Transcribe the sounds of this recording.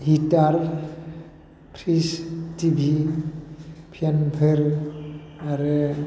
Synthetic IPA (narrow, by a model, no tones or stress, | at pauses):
hitaɾ | pʰɾistibʱi | pʰenpʰeɾ | aɾɯ